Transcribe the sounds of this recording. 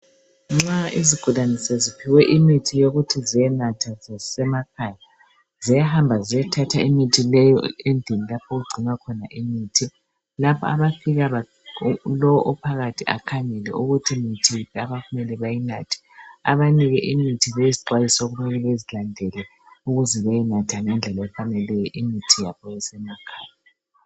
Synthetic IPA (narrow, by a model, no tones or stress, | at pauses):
ŋ͡ǁaiziɡ̥ʱulanisɛzipʰiwɛʔimitʰijoɣutʰizijɛnatʰazasɛmakʰaja | zijaɦambʱazijɛtʰatʰaimitʰilɛjɔ̰endʱinilapʰoɣuɡ͡ǀʱinwakʰɔnaʔimiːtʰi | lapʰɔa̰βafiɣaβa | lɔwɔʔɔpʰaɣatʰia̰kʰaŋɛlɛ̰ʔuɣutʰimitʰilaβaɣumɛlɛβajinatʰi̥a̰βaniɣɛʔimitʰiβejiziǃwajisɔoɣumɛlɛβezilandʱɛlɛ | uɣuzɛβɛjɛnatʰaŋɛnd͡ɮʱɛlaɛfanɛlɛjɛʔimitʰijaβʰɔβɛsɛmakʰaːja